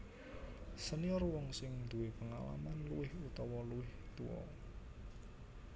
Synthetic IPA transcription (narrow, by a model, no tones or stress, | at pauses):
səniɔrwɔŋsɪŋd̪̥uwepəŋa̰la̰manluwɪhut̪ɔwɔluwɪht̪uwɔ̰